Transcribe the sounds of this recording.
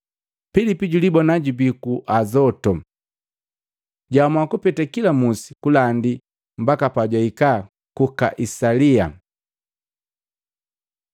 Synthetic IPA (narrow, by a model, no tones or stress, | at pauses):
filipiɟulibɔnaɟubikuʔazɔtɔ | ɟamwakupɛtakilamusi̥kulandi | m̩bakapaɟwaika | kukaʔisalia̰